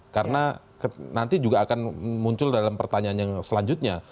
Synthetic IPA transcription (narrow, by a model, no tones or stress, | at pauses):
kaɾəna | kənant̪id͡ʒuɡaːkanmuɲt͡ʃʊldalampərt̪aɲaanjaŋsəlaɲd͡ʒʊt̪̚ɲa